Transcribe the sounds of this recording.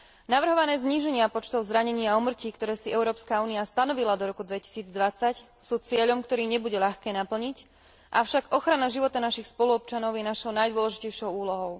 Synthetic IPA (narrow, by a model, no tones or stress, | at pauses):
naʋr̩ɦɔʋanɛːzɲiːʒɛɲɪapɔt͡ʃt̪ɔʊzɾaɲɛɲiːaumr̩ciːkt̪ɔɾɛːsiɛʊɾɔːpskauːniast̪anɔʋilad̪ɔɾɔkud̪ʋɛci̥siːd͡zd̪ʋat͡sac | suːt͡sɪɛʎɔmkt̪ɔɾiːɲɛbuɟɛʎaxkɛːnapl̩ɲic | ʔafʃaɡɔxɾanaʒiʋɔt̪anaʃixspɔluɔp̚t͡ʃanɔʊjɛnaʃɔʊnajd̪ʊɔlɛʒicɛjʃɔʊuːlɔɦɔʊ